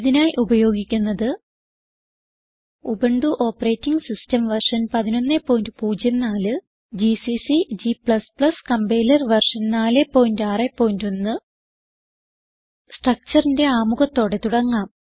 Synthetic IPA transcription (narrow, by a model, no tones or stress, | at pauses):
iðinaːjiʔubɐjo̞ːɡikʲːunːɐðɨ | ubɐɳɖuʔoːpːɐre̞ːtːiŋɡsistɐmʋɐrʂɐnpɐðino̞nːepːo̞ːjindɨpuːd͡ʑjɐnnaːlɨ | d͡ʑisisid͡ʑipɭɐsplɐskɐmbe̞ːlɐrʋɐrʂɐnnaːle̞pːo̞ːjindaːre̞pːo̞ːjindo̞nːɨ | sʈrɐk̚t͡ɕɐrinde̞aːmuɣɐt̪ːo̞ːɽe̞t̪uɽɐŋːaːm